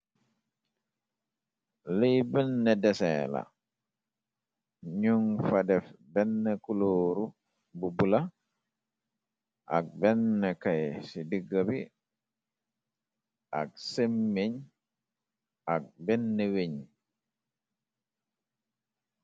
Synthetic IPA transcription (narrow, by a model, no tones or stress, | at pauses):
lejbɛnːɛdɛsɛ̰la̰ | ɲuŋfadɛfbɛnːɛkuloːɾu | bubula | ʔak̚bɛnːɛkajsidiɡːabi | ʔaksemːeɲ | ak̚bɛnːɛweɲ